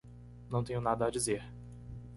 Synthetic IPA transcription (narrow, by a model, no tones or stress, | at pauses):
nɐ̃w̃t̪ẽɲʊnad̪ɐːd͡ʒizeɾ